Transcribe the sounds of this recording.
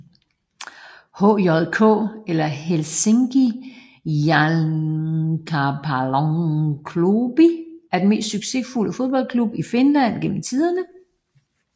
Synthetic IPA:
ho̰ɒðˠkʰɔ̰̽ːelɐɦelseŋɡ̥i | jæ | kʰapʰalɒŋkʰlub̥iæɐd̥eme̝̰ːsd̥syɡ̥se̝fuləfo̝ðˠb̥ɒ̽l̰kʰlub̥ife̝nlæn̰ɡ̥en̰m̩t͡sʰið̞ˠɐnə

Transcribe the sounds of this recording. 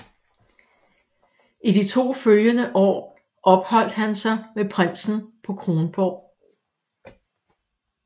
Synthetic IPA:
ʔidit͡sʰo̝̰ːføljənəʔɒ̰ː | ʔɒ̽b̥hɒ̽l̰d̥hænsɑ̈ɪmepʰʁan̰sn̩pʰɒ̽kʰʁo̝ːnb̥ɒ̰ː

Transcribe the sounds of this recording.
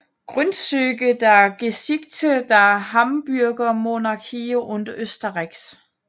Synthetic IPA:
ɡ̥ʁœnsøɡ̥əd̥ɑæɐɡ̥esiɡ̥̚t͡sʰəd̥ɑæɦɑmb̥yɐɡ̥ɐmo̝nɑ̈kʰioʔɔnd̥ɐʔøsd̥ɐʁaɡ̥s

